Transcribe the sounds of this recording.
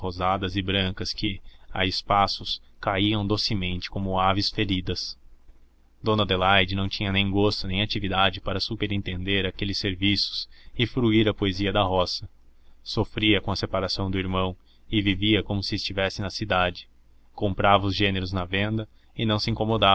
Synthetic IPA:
ozad̪ɐzɪbɾɐ̃ŋkɐskɪa̰ɪspasʊskaiɐ̃w̃d̪osɪmẽnt͡ʃɪ̥kõmʊavɪsfeɾid̪ɐs | d̪õnɐd̪elajd͡ʒɪnɐ̃w̃t͡ʃĩɲɐnẽj̃ɡost̪ʊnẽj̃at͡ʃivid̪ad͡ʒɪpaɾɐsupeɾẽnt̪ẽnd̪eɾakelɪsːeɾvisʊ̥sɪfɾuiɾɐpoeziɐd̪ɐɦɔsɐ | sofɾiɐkõɐsepaɾasɐ̃w̃d̪ʊiɾmɐ̃w̃ | ɪviviɐkomʊsɪːst͡ʃivɛsɪnɐsid̪ad͡ʒɪ | kõmpɾavɐʊzʒeneɾʊznɐvẽnd̪ɐ | ɪnɐ̃w̃sɪĩŋkomod̪a

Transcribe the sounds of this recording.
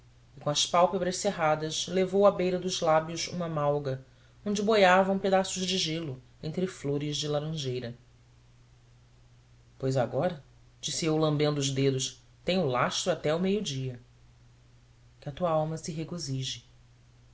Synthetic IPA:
ɪkõɐspawpebɾɐʃseɦad̪ɐʃlevowɐbejɾɐd̪ʊzlabjʊzṵ̃mɐmawɡɐ | õnd͡ʒɪbojavɐ̃w̃ped̪asʊzd͡ʒɪʒelʊ | ẽnt̪ɾɪfloɾɪzd͡ʒɪlaɾɐ̃ʒejɾɐ | pojzaɡɔɾɐ | d͡ʒisiewlɐ̃mbẽnd̪ʊːzd̪ed̪ʊʃ | t̪ẽɲ̃ʊlaʃt̪ɾʊat̪ɛumejʊd͡ʒiɐ | kɪɐt̪uɐawmɐsɪɦeɡoziʒɪ

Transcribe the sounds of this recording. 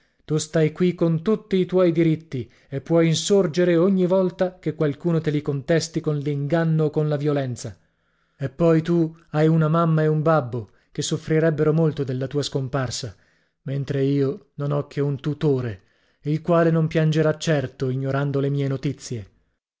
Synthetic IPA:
t̪ust̪ajkwikːont̪ut̪ːiːt̪wɔjd̪iɾit̪ːi | epːwɔjinsord͡ʒeɾeoɲːivɔlt̪akekːwalkuːnot̪elikont̪ɛst̪ikonliŋɡanːoːkːonlavjolɛnt̪sa | epːɔjt̪uajunamamːaeumbabːo | kesːofɾiɾɛbːeɾomolt̪od̪elːat̪uːaskomparsa | ment̪ɾeiːononɔk̟ʰːeunt̪ut̪oːɾe | ilkwaːlenompjand͡ʒeɾat͡ʃːɛrt̪oiɲːoɾand̪olemiːenot̪it̪sːje

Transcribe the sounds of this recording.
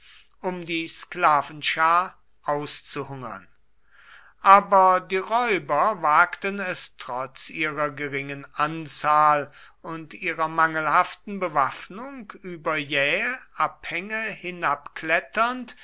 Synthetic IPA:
ʔʊmdiːsklaːvn̩ʃaː | ʔaʊst͡suhʊŋɐ̰n | ʔaːbɐdiːʁɔʏbɐvaːktənɛstʁ̥ɔt͡sʔiːʁɐɡəʁɪŋənʔant͡saːl | ʊntʔiːʁɐmaŋəlhaftn̩bəvafnʊŋkyːbɐjɛːʔaphɛŋəhɪnapklɛtɐnt

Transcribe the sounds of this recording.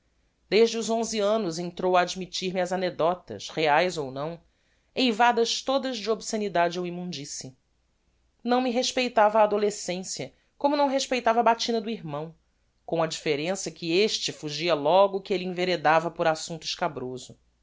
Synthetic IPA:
d̪̥eʒd͡ʒɪuzõziɐ̃nʊzẽnt̪ɾowɐːd͡ʒmit͡ʃiɾmɪɐzaned̪ɔt̪ɐ̰ʃheajzownɐ̃w̃ | ejvad̪ɐʃt̪od̪ɐzd͡ʒɪobsenid̪ad͡ʒɪewimũd͡ʒisɪ | nɐ̃w̃mɪɦeʃpejt̪avɐaːd̪olesẽsiɐ | kõmʊnɐ̃w̃ɦeʃpejt̪avɐabat͡ʃinɐd̪ʊiɾmɐ̃w̃ | kõw̃ɐd͡ʒifeɾẽsɐkɪeʃt͡ʃɪfuʒiɐlɔɡʊkɪeliĩveɾed̪avɐpʊɾasũnt̪ʊɪʃkabɾozʊ

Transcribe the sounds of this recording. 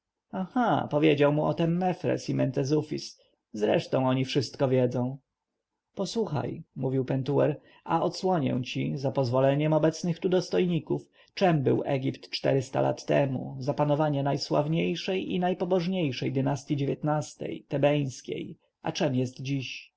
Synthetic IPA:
axapɔvʲjed͡ʑawmuʔɔt̪ɛmːɛfɾɛ̰simɛnt̪ɛzufʲis | zɾɛʂt̪ɔ̃w̃ɔɲifʂɘst̪kɔvʲjɛd̪zɔ̃w̃ | pɔswuxa̰jmuvʲiwpɛnt̪uwɛɾ | aɔt̪swɔɲɛ̰w̃t͡ɕizapɔzvɔlɛɲɛmɔbɛt̪snɘxt̪ud̪ɔst̪ɔjɲikuf | t͡ʂɛmbɘwʔɛ̰ɡʲipt̪t͡ʂt̪ɛɾɘst̪a̰lʔa̰t̪ːɛ̰mṵzapanɔvaɲɛnajswa̰vɲejʂɛjḭnajpɔbɔʐɲejʂɛjd̪ɘnast̪jid͡ʑevʲjet̪nast̪ɛ̰jt̪ɛbɛj̃skʲḛj | ʔa̰t͡ʂɛmjɛst̪d͡ʑiɕ

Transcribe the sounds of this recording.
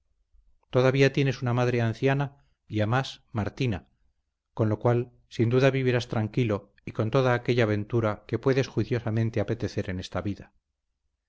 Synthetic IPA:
t̪o̞ðaβiat̪je̞ne̞sunamaðɾe̞anθjana | iamasmaɾt̪ina | ko̞nlo̞kwal | sind̪uðaβiβiɾast̪ɾaŋkilo̞ | iko̞nt̪o̞ðaːke̞ʎaːβe̞nt̪uɾake̞pwe̞ðe̞sxwiθjo̞samẽ̞nt̪eape̞t̪e̞θe̞ɾe̞ne̞st̪aβiða

